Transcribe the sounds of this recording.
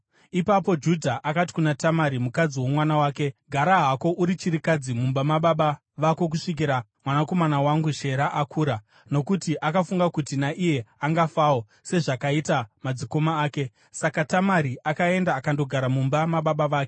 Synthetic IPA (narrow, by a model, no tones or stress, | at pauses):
ipapo̞d͡ʒudʱaʔakati̥kunatamaɾimukad͡ziwo̞mwanawaːke̞ɡʱaɾaɦako̞ʔuɾit͡ʃiɾikad͡zimumbamaɓaɓa | ʋako̞k̬uʂik̬iɾamwanako̞manawaŋɡuʃe̞ɾaʔakʰuːɾa | no̞kutiʔakafuŋɡakutinaʔije̞aŋɡafao | se̞ʐakaitamad͡ziko̞maːke̞ | sakatamaɾiʔakae̞ndaːkando̞ɡʱaɾamumbamaɓaɓaʋaːke